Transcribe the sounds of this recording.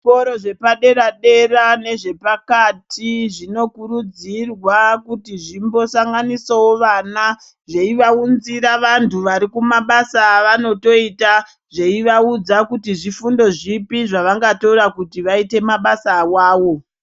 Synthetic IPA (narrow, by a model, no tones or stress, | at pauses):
poɾoʐe̞paɗe̞ɾaɗe̞rane̞ʐe̞pakatʰiʐino̞kuɾud͡zirwakutiʐimbo̞saŋɡanisawo̞ʋana | ʐe̞iʋaunziɾaʋantʰuʋaɾikumaɓasaːʋano̞to̞ita | ʐe̞iʋaud͡zakutiʐifundo̞ʐipiʐaʋaŋɡatoɾakutiʋaite̞maɓasawaːwo̞